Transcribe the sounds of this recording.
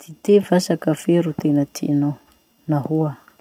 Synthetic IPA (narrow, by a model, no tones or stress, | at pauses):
d̪̥it̪evasakəfeɾut̪enət̪ʰḭno | nahua